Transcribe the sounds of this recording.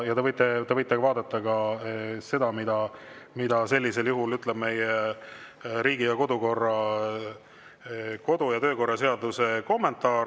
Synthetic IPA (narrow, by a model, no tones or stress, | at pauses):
jɑt̪evɤjt̪ˑːet̪evɤjt̪ːˑeɡvɑːd̪ɑt̪ːˑɑɡ̥ɑse̞d̪ɑmid̪̥ɑmid̪̥ɑse̞lʲːise̞ljuɦulyt̪ːˑleb̥me̞je | ɾiːɡijɑko̞d̪uko̞rːɑ | ko̞d̪ujɑt̪ø̞ːko̞rːɑse̞ɑd̪use̞ko̞mːe̞nt̪ːˑɑː